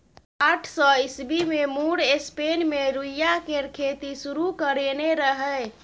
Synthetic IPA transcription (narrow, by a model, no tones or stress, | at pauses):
aʈʰsɔisbimemuɽespenmeɾujjakeɾkʰet̪isuɾukəɾeneɾəɦə